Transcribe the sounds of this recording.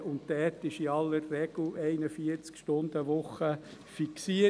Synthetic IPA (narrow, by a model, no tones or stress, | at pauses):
ʊntdɛtɪʃiɑlːərːɛɡ̥l̩ɛɪnəfiəɾt͡skʃtʊnd̪əʋʊχəfiksiə